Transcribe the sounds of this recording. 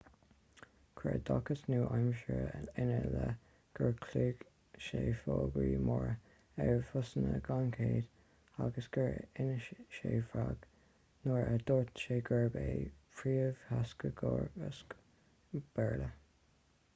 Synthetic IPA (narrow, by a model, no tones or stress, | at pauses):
kʰɹɛ̰d̪ɔkəsnuːʔajmʃəɪnələ | ɡ̥əɹkʰliːɡ | ʃeːfoːɡɹiːmɔɹə | ɛɹfʊsənəɡankʰeːd̪ | aɡəsɡ̥əɹɪnəʃeːfɹaɡ̥ | noːɹɛd̪oːɹt̪ʃeːɡəɹbeːfɹiːəv̥haskəɡ̥ɔɹəs | b̥ɛɹlə